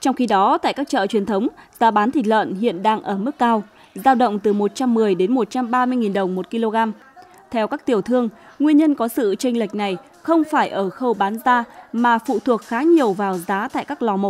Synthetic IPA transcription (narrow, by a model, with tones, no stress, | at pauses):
t͡ɕɔ˧wŋ͡mxi˧ɗɔ˨˦t̪a̰ː˧˨jkaː˦˥k̚t͡ɕə̰ː˧˨t͡ɕwi˨˩ənt̪ʰə˨˦wŋ͡mz̥aː˨˦ɓaː˨˦nt̪ʰi˨˩t̚lwə̰ː˧˨nhḭ˧˨ənɗaː˧ŋʔəː˧˩mɨ˦˥kːaː˧w | zaː˧wɗə̰˧˨wŋ͡mt̪ɨ˨˩mo˨˩t̚t͡ɕa˧mːɨ˨˩əjɗe˨˦nmo˨˩t̚t͡ɕa˧mɓaː˧mɨ˧əjŋi˨˩nɗə˨˩wŋ͡mmo˨˩t̚ki˧lo˧ɣaː˧m | t̪ʰɛ˧wkaː˦˥k̚t̪i˨˩əwt̪ʰɨ˧əŋŋwi˧ənɲə˧nkɔ˨˦sɨ̰˧˨t͡ɕa˧jŋ̟la˨˩jk̟̚na˨˩j | xə˧wŋ͡mfaː˧˩jʔəː˧˩xə˧wɓaː˨˦nzaː˧maː˨˩fṵ˧˨t̪ʰu˨˩ək̚xaː˨˦ɲi˨˩əwvaː˨˩wzaː˨˦t̪a̰ː˧˨jkaː˦˥k̚lɔ˨˩mo˨˩